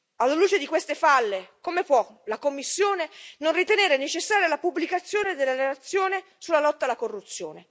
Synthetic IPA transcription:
alːaluːt͡ʃed̪ikwest̪efalːekomepwɔlakomːisːjoːnenonrit̪eneːɾenet͡ʃesːaːɾjalapubːlikat̪sːjoːned̪elːaɾelat̪sːjoːne | sulːalɔt̪ːalːakorːut̪sːjo̰ːne

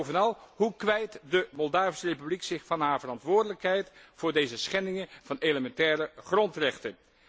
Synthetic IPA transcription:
wvənɑlˠɦukʋɛjtdəmɔlˠdaːvəsərejpybliksɪχfɑnɦaːɹvərɑntʋʊːɹdələkɦɛjtfʊːɹdejzəsχɛndɪŋənvɑnejləmɛntɛːrəχrɔntrɛχtən

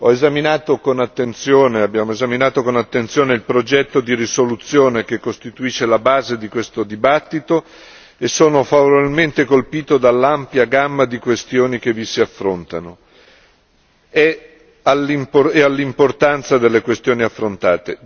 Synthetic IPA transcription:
ɔezaminaːt̪okonat̪ːent̪sjoːneabːjaːmoezaminaːt̪okonat̪ːent̪sjoːneilpɾod͡ʒɛt̪ːod̪irisolut̪sːjoːnek̟ekːost̪it̪uiːʃːelabaːzed̪ikwest̪od̪ibat̪ːit̪o | esːoːnofavoɾailment̪ekolpiːt̪od̪alːampjaɡamːad̪ikwest̪joːnikevisiafːɾont̪a̰no | ɛ | alimpoealːimport̪ant̪sad̪elːekwest̪joːniafːɾont̪aːt̪e

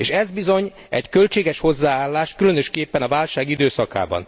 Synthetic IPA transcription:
eːʃɛzbizo̞ɲ | ɛckø̞lt͡ʃeːɡɛʃho̞zːaːaːlːaːʃkylø̞nøʃkeːpːɛnɒvaːlʃaːɡid̪øːsɒka̰ːbɒ̰n

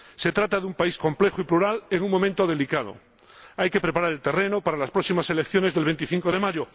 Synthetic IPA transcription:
se̞t̪ɾat̪aðumpaisko̞mple̞xoipluɾaleŋuŋmõmẽnt̪o̞ðe̞likað̞o̰ | ajke̞pɾe̞paɾaɾe̞lt̪e̞re̞nopaɾalaspɾo̞ksimase̞lekθjo̞ne̞zðelβe̞nt̪iθiŋkoð̞e̞maʝo

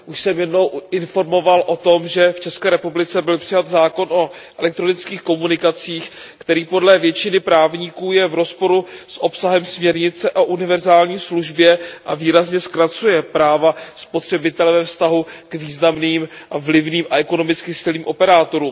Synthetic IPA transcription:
ʔuʃsɛmjɛdno̞wɪnfo̞ɾmo̞valʔo̞t̪o̞mʒɛft͡ʃɛskɛːɾɛpublɪt͡sɛbɪlpr̥ɪjat̪zaːko̞no̞ʔɛlɛk̚t̪ɾonɪt͡skiːxko̞munɪkat͡siːx | kt̪ɛɾiːpo̞dlɛvjɛt͡ʃɪnɪpɾaːvɲikuːjɛvɾo̞spo̞ɾusʔo̞psaɦɛmsmɲɛɾɲɪt͡sɛʔoʔunɪvɛɾzaːlɲiːsluʒbjɛʔaviːɾazɲɛskɾat͡sujɛpɾaːvaspot̪r̝̥ɛbɪt̪ɛlɛvɛfst̪aɦukviːznamniːmʔavlɪvniːmʔaʔɛko̞nomɪt͡skɪsɪliːmʔo̞pɛɾaːt̪o̞ɾuːm

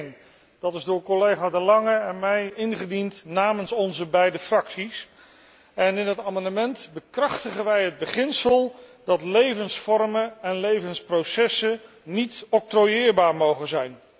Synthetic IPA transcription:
n | d̥ɑtɪzdʊːɹkɔlejχaːdəlɑŋəɛnmɛjɪnχədintnaːmənsɔnzəbɛjdəfrɑksis | ɛnɪnɦətaːmɑndəmɛntbəkrɑχtəχənʋɛjɦəd̚bəχɪnsəlˠdɑtlejvənsfɔrmənɛnlejvənsprowsɛsə | nitɔk̚trojɪːɹbaːɹmowχəzɛjn

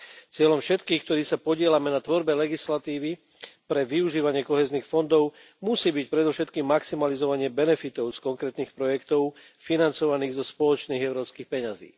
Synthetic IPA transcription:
t͡sɪɛlɔmfʃɛt̪kiːxk̚t̪ɔɾiːsapɔɟɪɛlamɛnat̪ʋɔɾbɛlɛɡislat̪iːʋi | pɾɛʋiuʒiːʋaɲɪɛkɔɦɛːzniːxfɔnd̪ɔʊ | musiːbicpɾɛd̪ɔfʃɛt̪kiːmːaksimalizɔʋaɲɪɛbɛnɛfit̪ɔʊskɔŋkɾɛːt̪niːxpɾɔjɛkt̪ɔʊ | finant͡sɔʋaniːɣzɔspɔlɔt͡ʃniːɣɛʊɾɔːpskiːxpɛɲazḭː

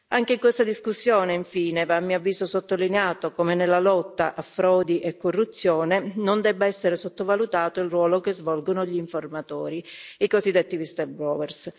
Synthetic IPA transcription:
aŋkeiŋkwest̪ad̪iskusːjɔːneiɱfiːnevaːmːiavːiːzosot̪ːolineaːt̪okomenelːalɔt̪ːa̰ʔafɾɔːd̪iʔɛkːorːut̪sːjɔːnenond̪ɛbːaɛsːeɾesot̪ːovalut̪aːt̪oilrwɔːlokezvɔlɡonoʎiːɱformat̪ɔːɾiikozid̪ːet̪ːivist̪ɛlbɾɔːwɛrs

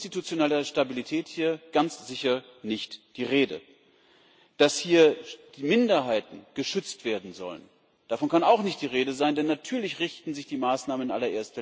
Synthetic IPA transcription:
stitut͡sjonɛlɐʃtabilitʰɛːthiːɐɡ̥ant͡sz̥ɪçɐ | nɪçtd̥iːʁeːdə̰ | d̥ashiːɐd̥iːmɪndɐɦaɪtn̩ɡ̥əʃʏt͡stv̥eːɐdn̩zɔ̰lə̰n | d̥afɔnkʰanaʊxnɪçtd̥iːʁeːdəzaɪndɛnːatʰyːɐlɪçʁɪçtn̩zɪçd̥iːmaːsnaːmənʔa̰lɐʔeːɐstvɛ

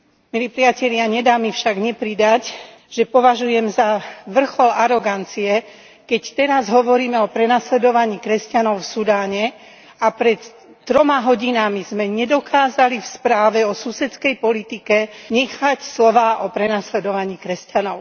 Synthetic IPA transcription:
miliːpɾiacɛʎɪaɲɛd̪aːmifʃaɡɲɛpɾid̪ac | ʒ̥ɛpɔʋaʒujɛmzaʋr̩xɔlaɾɔɡant͡siɛ | kɛct̪ɛɾazɦɔʋɔɾiːmɛɔpɾɛnaslɛd̪ɔʋaɲiːkɾɛscanɔʊfsud̪aːɲɛ | apɾɛt̪ː | ɾɔmaɦɔɟinamizmɛɲɛd̪ɔkʰaːzalifspɾaːʋɛɔsusɛt͡skɛjpɔlit̪ikɛɲɛxacslɔʋaːʔɔpɾɛnaslɛd̪ɔʋaɲiːkɾɛscanɔʊ

